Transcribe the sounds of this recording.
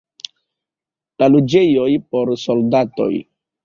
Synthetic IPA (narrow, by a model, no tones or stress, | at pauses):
lalud͡ʒejojpo̞ɾsoldato̞̰j